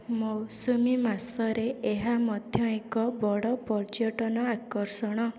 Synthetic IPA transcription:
mowsumimasɔɾeeɦamɔd̪ʱjɔekɔbɔɽɔpɔɾd͡ʒɔʈɔnɔakɔɾsɔɽ̃ɔ

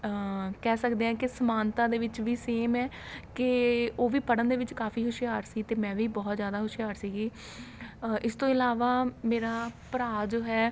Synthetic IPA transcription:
kɛːsəkd̪eːɦɛ̃ːkɪsəmaːnt̪ãːd̪eːʋɪt͡ʃʋiːseːmɛː | kɪoːʋiːpəɽənd̪eːʋɪt͡ʃkaːfiːɦʊʃɪjaːɾsiːt̪eːmɛ̃ːʋiːbɔːt̪zjaːd̪aːɦʊʃijaːɾsiːɡiː | ʔɪst̪õːɪlaːʋaːmeːɾaːpəɾaːd͡ʒoːɦɛː

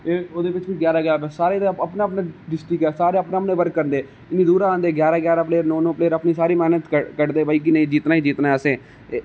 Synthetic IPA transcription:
eːoːd̪eːʋɪt͡ʃʋiːɡjaːɾaːɡjaːbɛːsaːɾeːəpnaːəpnãːɖɪsʈɪkɛːsaːɾeːəpnaːpnẽːʋəɾkːəɾnd̪eː | ɪnːĩːd̪uːɾaːãːnd̪eːɡjaːɾaːɡjaːɾaːpleːəɾnõːnõːpleːəɾəpniːsaːɾiːmɛːnət̪əkəʈd̪eːbaːiːk̬ɪnə̃ĩːd͡ʒiːt̪naːiːd͡ʒiːt̪naːɛsẽː

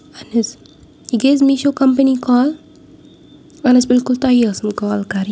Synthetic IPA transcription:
ɐnɐs | iɡezmiʃoːkɐmpənikɔːl | ɐnɐsbɪlkʊlt̪aɦiɐsəmkɔːlkaɾi

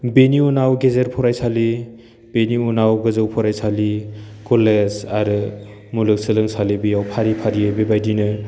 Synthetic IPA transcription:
beniunawɡezeɾpʰɔɾajsali | b̥eniunawɡɯzɯwpʰɔɾajsalikɔlezaɾɯ | mulɯk̚sɯlɯŋsalibijawpʰaɾipʰaɾiebebajdinɯ

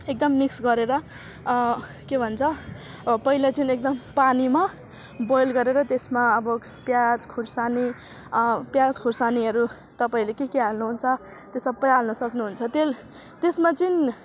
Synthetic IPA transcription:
ek̚d̪ʌmːiksɡʌɾeɾʌ | kebʱʌnt͡sʰʌ | pʌɦilat͡sʌnek̚d̪ʌmpanima | bojlɡʌɾeɾʌt̪esmaʌbʌ | pjad͡zkʰursani | pjad͡zkʰursaniɦʌɾu | t̪ʌpaĩlekekeɦalnuɦunt͡sʰʌ | t̪esʌabʌjalnʌsʌknuɦunt͡sʰʌt̪el | t̪esmat͡sʌn

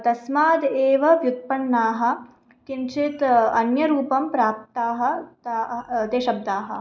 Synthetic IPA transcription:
t̪ɐsmaːd̪eːʋɐʋjut̪̚pɐɳːaːɦɐ̆ | t̪int͡ʃit̪ɐnjɐɾuːpɐmpɾaːp̚t̪aːɦɐ̆t̪at̪eːʃɐb̚d̪aːɦɐ̰̆

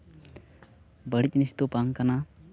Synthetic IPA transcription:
bəɽic̪̚ˀnisi̥t̪opaŋkana

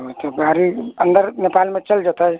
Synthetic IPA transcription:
ɦot̪ɔbʱaɾiənd̪əɾnepalmet͡ʃəld͡ʒɔt̪əj

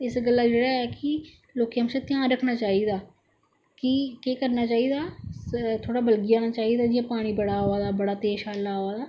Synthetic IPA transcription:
ɪsɡəlːaːd͡ʒeːɽaːɛːkɪ | loːkijãːmt͡ʃãt̪ɪjãːɾəkʰnaːt͡ʃaːiːd̪aː | kɪkeːkəɾnaːt͡ʃaːiːd̪aː | t̪ʰoːɽaːbəlɡɪãːnaːt͡ʃaːiːd̪aːd͡ʒijãːpaːɽ̃iːbəɽaːɦoːaːd̪aːbəɽaːt̪eːʃaːlaːɦoːaːd̪aː

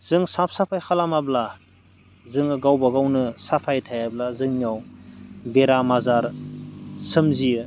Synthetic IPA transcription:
z̥ɯŋsap̚ʰsapʰajkʰalamabla | zɯŋɡawbaɡawnɯsapʰajtʰajablazɯŋnijawbeɾamazaɾ | sɯmziɯ

